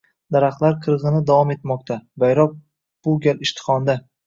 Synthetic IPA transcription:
d̪̥aɾaχlˠaɾqʰɨɾʁɨnɪd̪avɒme̞t̪mɒqt̪ʰabajɾɒp̚ | b̥ʊɡʲalɪʃt̪ʰɪ̥χɒnd̪a

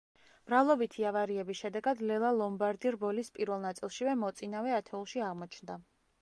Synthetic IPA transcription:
b̥ɾavlˠɔbit̪ʰiavaɾiɛbisʃɛd̪ɛɡad̪lɛlˠalˠɔmbaɾd̪iɾbɔlispʼiɾvɛlˠnat̪sʼilˠʃivɛmɔt̪sʼinavɛat̪ʰɛulˠʃiaʁmɔt͡ʃʰnd̪a

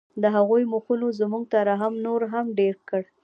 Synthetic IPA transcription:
d̪əɦaɣujmuxunozmuɡ̚t̪aɾaɦamnoɾɦamɖeɾkəɽ

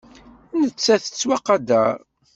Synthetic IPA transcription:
nət͡sːæθə̥t͡sːwæqɑd̪æ

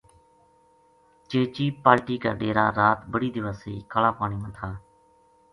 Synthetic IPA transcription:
t͡ʃeːt͡ʃiːpaːɾʈiːkaːɖeːɾa̰ːɾaːt̪bəɽiːd̪ɪʋəsiːkʰəlaːpaːɳ̃iːmənt̪ʰaː

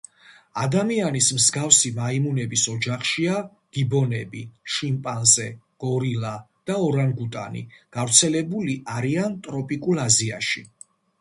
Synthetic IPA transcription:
ad̪amianismzɡafsimaimunɛbisɔd͡ʒaχʃia | ɡ̥ibɔnɛbiʃimpʼanzɛ | ɡ̥ɔɾila | d̪̥aɔɾanɡut̪ʼa̰nḭɡ̥avɾt̪sʰɛlɛbuliʔaɾiant̪ʼɾɔpʼikʼulazia̰ʃi

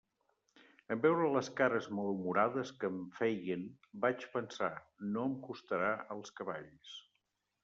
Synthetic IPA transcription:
əmbɛwɾələskaɾəzməlumuɾaðəskəɱfɛjən | bat͡ʃpənsanoəmkust̪əɾaəlˠskəβaʎs

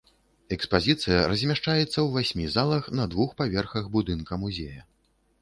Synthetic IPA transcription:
ɛkspazʲit̪sɨjɐɾɐzʲmʲaʂt͡ʂajɛt̪sːɐwvasʲmʲizalˠɐxnɐd̪vuxpavʲɛrxɐɣbud̪ɨnkɐmuzʲejɐ

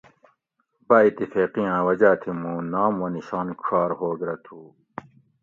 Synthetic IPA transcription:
bait̪ːifeːqijãːwɐd͡ʑaːt̪ʰimũːnaːmoniɕaːnkʰaːɾhoːɡɾɐt̪ʰuː

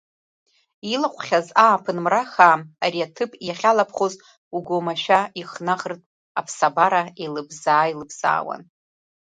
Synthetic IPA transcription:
ilaqʷʰχʲazaːpʰɨnmraχaːariatʰɨpʼiaχʲalapʰχoz | uɡomaʃᶣaiχnaʁərtʼ | apʰsabaɾaelɨbzaːilɨbz̥a̰ːwa̰n

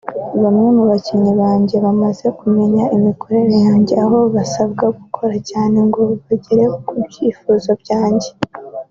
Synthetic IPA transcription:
βamŋe̞muβaciniβaːɲɟe̞βamaze̞kume̞ɲaʔimiko̞ɾe̞ɾejaːɲɟeaɦo̞βasaβɡaɡukʰo̞ɾacaːne̞ŋɡo̞βaɟe̞ɾe̞okubɟiːfuːzo̞bɟaːɲɟe̞

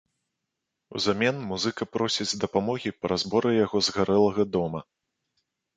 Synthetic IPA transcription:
ṵzamʲɛnmuzɨkɐpɾɔsʲid͡zʲd̪ɐpamɔɣʲipɾɐzbɔɾɨjaɣɔzɣaɾɛlˠɐɣɐd̪ɔmɐ

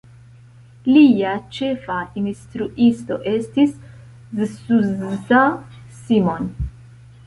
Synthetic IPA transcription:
liat͡ʃe̞fainstɾuʔisto̞̰ʔe̞stis | zsuzta | simo̞n

